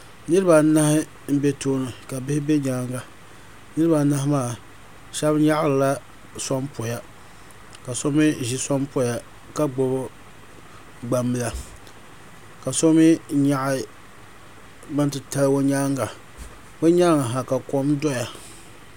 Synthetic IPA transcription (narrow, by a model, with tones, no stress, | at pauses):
nɨ˦ɾɨ˦ba˨˦na˦hɪ˦ | m̩˦be˦toː˦nɨ˨ka˨bɪ˦hɪ˦be˦ɲaː˦ŋɡa˨ | nɨ˦ɾɨ˦ba˨˦na˦hɪ˦maː˦˨ | ʃa˦bɲa˦ʔlɨ˨la˦ | sɔ˦mpo˨ja˨ | ka˨so˦mɪ˦ʒi˦sa˦mpo˦ja˨ | ka˦ɡ͡bo˨bo˦ | ɡ͡ba˨mːɨ˦la˨ | ka˨so˦mi˦ɲa˦ʔɪ˦ | ba˦n˦tɨ˨ta˦lwo˦ɲaː˦ŋɡa˨ | bɛ˦ɲa˦ŋa˨ɦa˨ka˨ko˦mdɔ˦ja˨